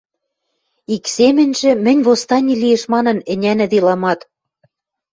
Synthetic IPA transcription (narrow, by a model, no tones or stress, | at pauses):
iksemɘ̆nʲʒɘ̆mɘ̆nʲβost̪ɑnʲilijeʃmɑnɤ̆nɘ̆nʲænɘ̆d̪elɑmɑt̪